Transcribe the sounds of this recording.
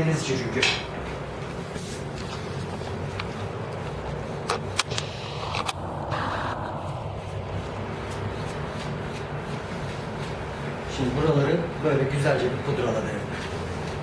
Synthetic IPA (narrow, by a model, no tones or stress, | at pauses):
emizt͡ʃʰyɾyɟy | ʃimd̪ibuɾalˠaɾɯbø̞jlʲɛɟyzælʲd͡ʒɛbʲikʰud̪ɾalˠad̪ɯɾɯm